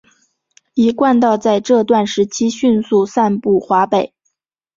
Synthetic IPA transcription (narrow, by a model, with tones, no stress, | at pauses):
i˧˥kwa˥˧nt̪ɑ˥˧ʊt͡sa˥˧ɪʈ͡ʂɤ˥˧t̪wa˥˩nʂɻ̩˧˥t͡ɕʰi˥ɕy˥˧nsu˥˧sa˥˧npu˥˩xwa˧˥pe˨˩˦ɪ